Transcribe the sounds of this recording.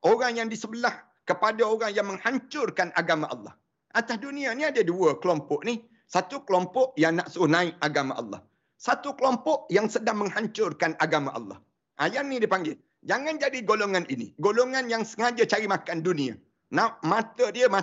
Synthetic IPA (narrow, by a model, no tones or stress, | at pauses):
ʔoɾaŋjaŋdisəbəlah | kəpadaoɾaŋjaŋməŋhaɲt͡ʃʊrkanʔaɡamaʔɑ̰lːɑ̰h | ʔat̪asdunĩaniadaduəkəlɔmpɔʔni | sat̪ukəlɔmpɔʔjaŋnaʔsuʊhnãɪʔaɡama̰ʔɑ̰lːɑ̰h | sat̪ukəlɔmpɔʔjaŋsədaŋməŋhaɲt͡ʃʊrkanʔaɡamaʔɑ̰lːɑ̰h | ʔa̰jarnĩdipaŋɡɪl | d͡ʒaŋand͡ʒadiɡoloŋãninḭɡoloŋanjaŋsəŋad͡ʒat͡ʃaɾimakandunĩa̰ | naʔmãt̪ədiəma